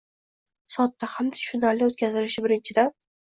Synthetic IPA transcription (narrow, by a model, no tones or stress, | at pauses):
sɒt̪ːahamd̪ḁʃʊnaɾlɪot̪kʲazɪlɪʃɪbɪɾɪnt͡ʃʰɪd̪an